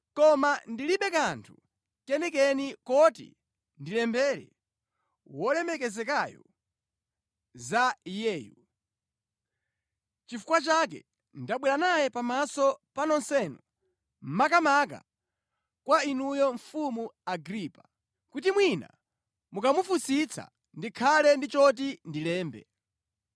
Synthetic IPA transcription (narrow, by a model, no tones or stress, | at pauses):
kɔmandiliɓɛkantʰu̥ | kɛnɛkɛnikɔtḭ | ndilɛmbɛɾɛ̰ | wɔlɛmɛkɛzɛkajɔ̰ | zajɛːju | t͡ʃifu̥kwat͡ʃak̬ɛ̰ | ndaɓwɛɾanajɛpamasɔpanɔnsɛnu | m̩makamaka̰ | kwainujɔɱfumuaɡɾipa | kutimwina̰ | mukamufusit͡sʰa̰ | ndikʰalɛndit͡ʃɔt̬indilɛːmbɛ̰